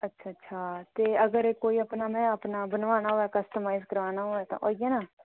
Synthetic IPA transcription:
ətːʃʰaːətːʃʰaːt̪eːəɡəɾeːkoːiːəpnaːmɛ̃ːəpnaːbənʋaːnaːɦoːɛːkəst̪əmaːɪzkəɾʋaːnaːɦoːɛːt̪ã̰ːʔoːiɡɛ̃ːnaː

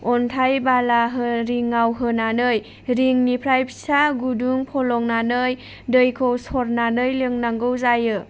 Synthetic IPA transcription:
ɔntʰajbalaɦɯɾiŋːawɦɯnanɯj | ɾiŋnipʰɾajpsaɡuduŋpʰɔlɔŋnanɯj | dɯjkʰowsɔɾnanɯjlɯŋnaŋɡɯwzajɯ

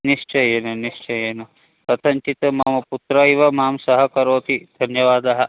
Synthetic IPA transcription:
niʂt͡ʃɐjeːnɐniʃt͡ʃɐjeːnɐ | ɐt̪ʰɐɲt͡ʃit̪ɐmaːmɐput̪ɾɐiʋɐmaːmsɐɦɐkɐɾoːt̪id̪ʱɐnjɐʋaːd̪ɐɦɐ̆

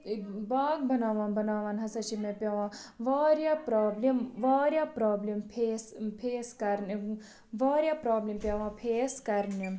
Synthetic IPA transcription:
baːɡ̚bɐnaːʋãːnbɐnaːʋaːnɦɐsɐt͡ʃʰimẽpjɐʋãːʋaːɾjaːpɾaːblemʋaːɾjaːpɾaːblempʰeːspʰeːskɐɾni | ʋaːɾjaːpɾaːblempʲjɐʋãːpʰeːskɐɾnim

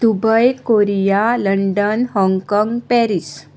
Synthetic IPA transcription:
d̪̥ubəjkoɾijaləɳɖənɦɔŋɡkɔŋɡpɛɾis

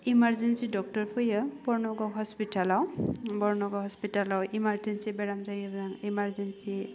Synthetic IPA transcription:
imaɹzensidɔk̚tɔɹpʰɯjəbɔɹnɔɡɔɦɔspitalawbɔɹnɔɡɔhɔspitalawimaɹzensibɛɹamzajabzaŋimaɹzensi

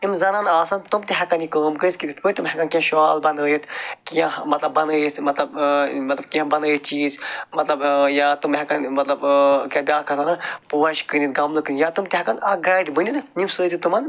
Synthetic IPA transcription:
imzɐnanaːsant̪umt̪iɦɐkɐnikɐːmkəit̪kid̪ʲit̪ʰpət̪umɦɛkɐnkiãʃaːlbɐnəjit̪ʰkiãmɐt̪lɐbːɐnəit̪mɐt̪lɐbmɐt̪lɐb̚kiãbɐnəit͡ʃiːzmɐt̪lɐbjat̪umɦʲɛkɐnmɐt̪lɐbkɐbʲaːkʰɐt̪anɐpuːɐʃkɨnit̪ɡɐmlɨkɨnʲijat̪umt̪iɦɐkɐnɐɡaːjɖbɨnʲit̪nʲimsəːd͡ʒ̪it̪umɐn

